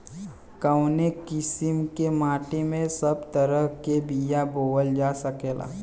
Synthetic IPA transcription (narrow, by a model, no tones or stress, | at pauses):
kəʊnekɪsɪmkemaːʈemẽsɐbt̪əɾəɦkebijaboːəld͡ʒaːsəkeːla̰ː